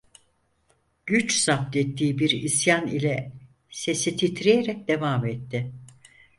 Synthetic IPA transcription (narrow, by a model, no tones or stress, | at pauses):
ɟ̥yt͡ʃsap̚t̪ɛt̪ʰːiːbiɾisjanḭlʲɛ | se̞sit̪ʰit̪ʰɾijeɾɛc̚d̪e̞vaːmɛt̪ːɪ